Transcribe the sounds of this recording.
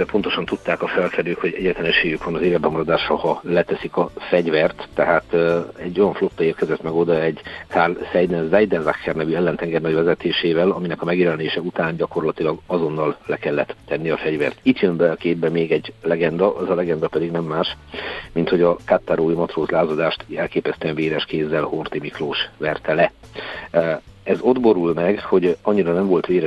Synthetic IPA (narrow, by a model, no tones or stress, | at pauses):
ɛpo̞n̪t̪o̞ʃɒnt̪ut̪ːaːkɒfɛlfɛɾøːkho̞ɟɛɟːɛt̪lɛnɛʃeːjykʋɒnɒzeːvɛdbɛmɒɾɒd̪aːʃrɒhɒlɛt̪ɛsikɒfɛɟvɛrt̪ːɛɦaːt̪ːɛɟːo̞jɒɱflo̞t̪ːɒeːrkɛzɛt̪mɛɡo̞d̪ɒɛɟkʰaːrlsɛjd̪ɛnzɛjd̪ɛnzakːɛrnɛvyɛlːɛnt̪ɛŋɡɛrnɒɟvɛzɛt̪eːʃeːvɛlɒminɛkɒmɛɡjɛlɛneːʃɛut̪aːnɟɒko̞rlɒt̪ilɒɡɒzo̞nːɒlːɛkɛlːɛt̪ːɛnːiɒfɛɟvɛ̰rt̪it̪jømbɛɒkeːd̪̚bɛmeːɡɛɟlɛɡɛnd̪ɒʔɛzɒlɛɡɛnd̪ɒpɛd̪iɡnɛmːaːʃmint̪ho̞ɟɒkat̪ːaɾoːimɒt̪roːzlaːzɒd̪aːʃt̪ɛlkeːpɛst̪yɛɱveːɾɛʃkeːzːɛlhort̪imikloːʃʋɛrt̪ɛlɛ | ɛzo̞d̪bo̞ɾulmɛɡho̞ɟɒɲːiɾɒnɛɱvo̞lt̪ʋeːɾɛ